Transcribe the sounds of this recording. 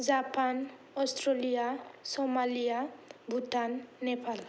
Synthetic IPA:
d͡ʒapan | ɔstɾolijasɔmalijabʱutanːepal

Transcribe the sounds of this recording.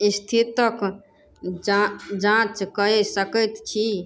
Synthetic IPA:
ist̪ʰit̪ək | d͡ʒãt͡ʃkəesəkəjt̪t͡ʃʰi

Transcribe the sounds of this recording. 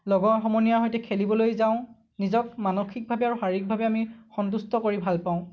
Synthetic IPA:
lɔɡɔɹxɔmɔnijaɦojtɛkʰelibɔlojzaʊ̃ | nizɔkmanoxʰik̚bʱabɛaɹuxaɹik̚bʱabɛamixɔnt̬ustɔkoɹibʱalpaʊ̃

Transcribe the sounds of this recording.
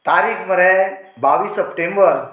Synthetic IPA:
t̪aɾikməɾɛbaʋiːsəpʈẽmbəɾ

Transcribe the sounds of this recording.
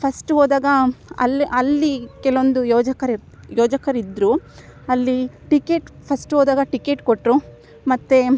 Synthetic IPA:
pʰɐsʈɦoːd̪aːɡɐɐ̰lːʔɐlːikɛlɐond̪ujɔːd͡ʒɐkɐɾiɾ | jɔːd͡ʒɐkɐɾid̪ɾuɐlːiʈikeːʈpʰɐsʈɦoːd̪aːɡɐʈikeːʈkoʈɾu | mɐt̪ːe

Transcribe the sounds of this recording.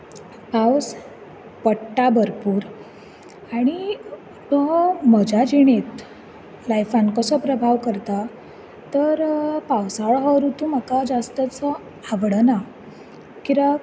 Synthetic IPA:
paws | pəʈːabʱəɾpuːɾ | aɽ̃i | t̪əməd͡ʑad͡ʑiɽ̃et̪ | lajfankəsɔpɾəbʱaʋkəɾt̪a | t̪əɾpawsaɭɦəɾut̪uməkad͡zast̪ət͡sə | aʋɽəna | kiɾa

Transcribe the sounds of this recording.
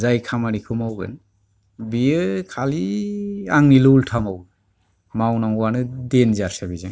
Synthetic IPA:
zajkʰamaɾikʰɯmawɡɯ̰n | bijɯkʰali | aŋnilultʰamawɯn | mawnaŋuwanɯdenzaɾsabizaŋ

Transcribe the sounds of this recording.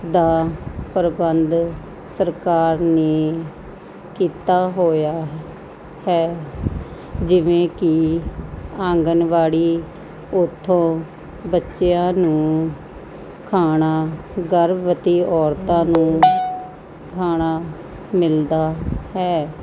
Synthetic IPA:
d̪aːpəɾbənd̪ | səɾkaːɾneː | kiːt̪aːɦoːjaː | hɛː | d͡ʒɪʋẽːkɪ | ãːŋɡənʋaːɽiː | ʊt̪ʰːõː | bətːʃeãːnũː | kʰaːɽ̃aː | ɡəɾbʋət̪iːʔɔːɾt̪ãːnũː | kʰaːɽ̃aː | mɪld̪aːhɛː

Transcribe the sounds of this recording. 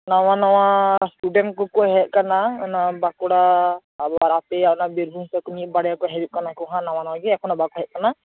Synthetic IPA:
nawanawasʈuɖɛnkɔkɔɦɛt̚kanaɔnabakɔɽaː | bɔɾapɛaɔnabiɾbʱumsɔkɔnit̚baɽɛjakɔɦɛbit̪̚kanakɔɦãnawanawaɡiɛkʰɔnabakɔɦɛʔ̚kana

